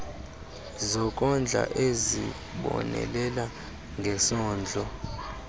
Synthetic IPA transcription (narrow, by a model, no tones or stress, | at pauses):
zɔk̬ʼɔnd͡ɮʱa̰ʔezi | ɓɔ̰nɛ̰lɛla | ŋɡʱɛsɔːnd͡ɮʱɔ